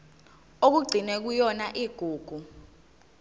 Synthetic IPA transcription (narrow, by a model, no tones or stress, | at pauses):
ok̬uɡ͡ǀʱinɛk̬ujɔnaʔiːɡ̥ʱuːɡ̥ʱu